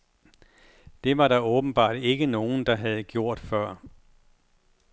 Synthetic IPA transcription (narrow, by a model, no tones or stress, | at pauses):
d̥e̝ʋɑ̈ɾɑ̈ɔ̽ːb̥n̩b̥ɑ̰̈ːd̥e̝ɡ̥əno̝ːn̩d̥ɑ̈ɦæð̞̩ˠɡ̥jo̝ɐ̰d̥fɶɐ̰